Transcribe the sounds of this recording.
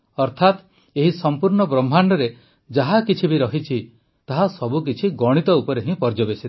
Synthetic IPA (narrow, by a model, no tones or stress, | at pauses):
ɔɾt̪ʰat̪ | eɦisɔmpuɾɳɔbɾɔm̤ʱːaɳɖɔɾe | d͡ʒaɦakit͡ʃʰibiɾɔɦit͡ʃʰi | t̪aɦasɔbuk̬it͡ʃʰiɡɔɽ̃it̪ɔupɔɾeɦĩpɔɾd͡ʒɔbesit̪i̥